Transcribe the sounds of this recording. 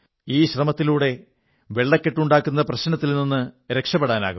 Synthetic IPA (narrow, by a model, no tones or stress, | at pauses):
iːɕrɐmɐt̪ːiluːɽe̞ | ʋe̞ɭːɐkːeʈːuɳɖaːkːunːɐprɐɕnɐt̪ːilninːɨɾekʂɐpːeɽaːna̰ːɣum